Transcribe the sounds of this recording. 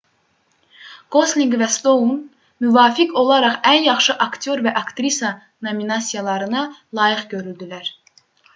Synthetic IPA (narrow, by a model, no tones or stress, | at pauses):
ɡ̥o̞sliŋɡvæst̪own | myvɑːfikʰo̞lˠɑɾɑχænjɑχʃɯʔɑkt̪ʰo̞ɾvæʔɑkt̪ɾisɑ | no̞minɑsʲijɑlˠɑɾɯnɑlˠɑːjɯχɟø̞ɾyld̪ilæɾ